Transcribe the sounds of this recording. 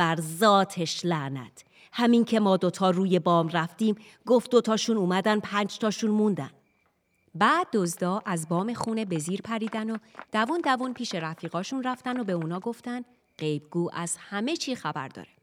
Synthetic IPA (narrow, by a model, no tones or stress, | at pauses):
bæɾzɒːt̪ʰeʃlæʔnæ̰t̪ | hæmiːŋcʰe̞mɒːd̪o̞t̪ʰɒːruːje̞bɒːmræft̪iːm | ɡoft̪̚d̪o̞t̪ʰɒːʃuːnuːmæd̪ænpʰænd͡ʒt̪ʰɒːʃunmund̪æ̰n | bæːd̪̚ːozd̪ɒːʔæzbɒːme̞xuːne̞be̞ziːɾpʰæɾiːd̪ænod̪̥ævund̪ævunpʰiːʃe̞ɾæfiːɣɒːʃunræft̪æno̞be̞uːnɒːɡo̞ft̪ænd̪ | ɢe̞jbɡ̥uːʔæz̥hæme̞t͡ʃʰiːxæbæ̰ɾd̪ɒ̰ːɾe